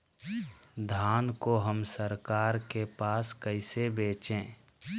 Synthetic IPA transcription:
d̪ʱaːnkoɦəmsəɾkaːɾkepaːskəɪsebeːt͡ʃẽː

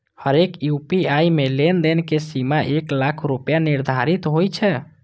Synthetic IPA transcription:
həɾekjupiaimelend̪enkesimaʔeklakʰɾupjaniɾd̪ʱaɾit̪ɦojt͡ʃʰɛ

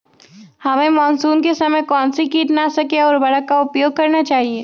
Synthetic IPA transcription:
hɐmẽmɔːnsuːnkesɐməjkɔːnsikiːʈ̪nasɐkeɔːɾbɐɽəkːaʊpjoːɡ̚kɐɾnat͡ʃaːɦieː

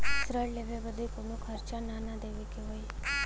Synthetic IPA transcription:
sɾəɽleʋebəd̪ikonukʰəɾt͡ʃananad̪eʋikeɦoj

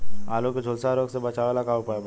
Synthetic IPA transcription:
aːlõked͡ʒʱoːlsaɾoːɡsebɐt͡ʃaʋalakaopab

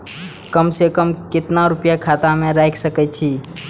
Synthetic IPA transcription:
kəmsekəmkɪt̪naɾʊpjakʰat̪amẽɾajkʰsəkɛt͡ʃʰi

